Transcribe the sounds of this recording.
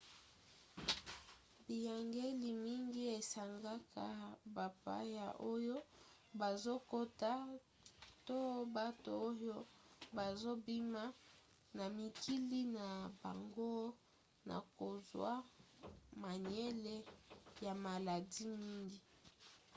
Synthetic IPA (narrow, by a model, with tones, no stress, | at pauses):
bi˨ja˨ŋɡe˦li˨mi˦ŋɡi˦e˨sa˨ŋɡa˦kʰa˦ba˨pa̰˦ja˨ʔo˦jo˦ | ba˨zo˦ko˦ta˦ | to˦ba˦to̰˨o˦jo˦ba˨zo˦bi˦ma˦ | na˨mi˨kʰi˦li˦na˨ba̰˨ŋɡo˦ | na̰˨ko˨zwa˦ | ma˨ɲ˦e˦le˦ja˨ma˨la˨di˦mi˦ŋɡi˦